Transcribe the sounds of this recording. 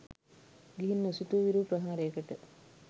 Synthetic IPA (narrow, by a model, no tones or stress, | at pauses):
ɡiɦinːusit̪uʋiɾupɾɐɦaːɾejːkəʈə